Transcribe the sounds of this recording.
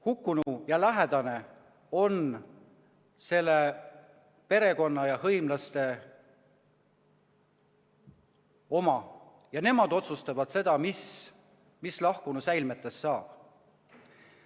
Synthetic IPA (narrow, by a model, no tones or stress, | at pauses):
hukːˑunujɑlæɦed̪̥ɑne | o̞n | se̞lːe | pe̞ɾe̞ko̞nːɑjɑhɤjmlɑst̪e̞ | o̞mɑ | jɑne̞mɑd̪̥o̞t̪sust̪ɑvɑd̪̥se̞d̪ɑmis | mislɑhkunusæjlmet̪ːˑesːɑːb̥